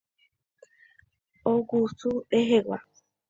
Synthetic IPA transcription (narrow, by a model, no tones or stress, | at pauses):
oɡusueɦeɡa̰